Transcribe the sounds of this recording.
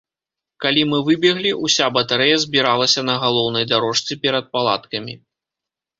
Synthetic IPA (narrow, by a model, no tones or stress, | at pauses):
kalʲimɨvɨbʲɛɣlʲiusʲabɐt̪aɾɛjɐzʲbʲiɾalˠɐsʲɐnɐɣalˠɔwnɐjd̪aɾɔʂt̪sɨpʲɛɾɐt̪̚palˠa̰t̪kɐmʲḭ